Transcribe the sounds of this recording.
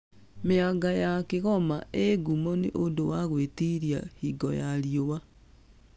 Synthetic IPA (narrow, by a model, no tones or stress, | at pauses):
meaɡajakeɣɔmaeɡumɔneʔondowaɣwetiɾja̰hiɡɔjaɾjowa